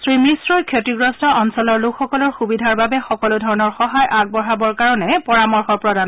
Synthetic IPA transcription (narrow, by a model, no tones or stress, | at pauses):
sɹimɹisɹɔjkʰjotiɡɹɔstɔʔɔnsɔlɔɹlukxɔkɔlɔɹxubidʱaɹbabɛxɔkɔlʊdʱɔɹɔnɔɹxɔɦajʔaɡ̚bɔɦabɔɹkaɹɔnɛpɔɹamɔɹxɔɹpɹɔdan